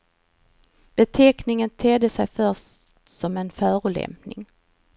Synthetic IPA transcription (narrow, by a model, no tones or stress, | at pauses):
b̥ɛt̪ʰɛknɪŋənt̪ʰɛd̪ːəsɛjfœʂtsɔmɛnfœːɾʊlɛ̰mpnɪ̰ŋ